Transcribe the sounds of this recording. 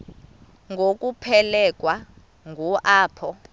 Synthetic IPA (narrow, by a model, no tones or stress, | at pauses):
ŋɡʱok̬ʼupʰɛlɛk̬ʼwa | ŋɡʱuʔaːpʰɔ